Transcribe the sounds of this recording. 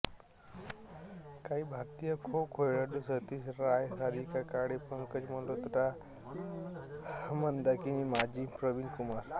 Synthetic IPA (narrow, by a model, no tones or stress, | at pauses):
kaibʱaɾt̪ijəkʰokʰojɽaɖusət̪isɾajsaɾikakaɽepəŋkəd͡ʒməlot̪uʈa | mənd̪akinimad͡ʒipɾəʋinkumaɾ